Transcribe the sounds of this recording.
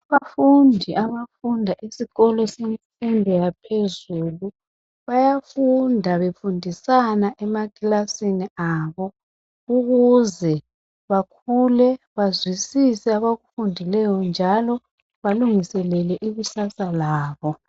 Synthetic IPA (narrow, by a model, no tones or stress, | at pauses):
aβafundʱiʔaβafundʱaʔisiɣɔlɔsemisindʱɔjapʰezuːlu | βajafundʱaβefundʱisanaʔɛmaɡʼilasiniaːβɔ | uɣuzɛ | βakʰulɛβazwisisɛaβaɣufundʱilɛjɔnd͡ʒʱalɔ | βaluŋisɛlɛlɛʔiɣusasalaːβɔ